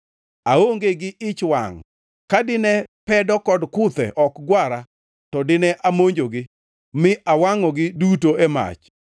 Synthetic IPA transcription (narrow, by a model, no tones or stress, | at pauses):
aoŋɡeɡɪʔɪt͡ʃwa̰ŋ | kadɪnɛpɛdɔkɔdkʊt̪ɛ̰ʔɔkɡwaɾa | tɔdɪnɛʔamoɲd͡ʒoɡɪ | mɪʔawaŋɔɡɪdutoɛma̰t͡ʃ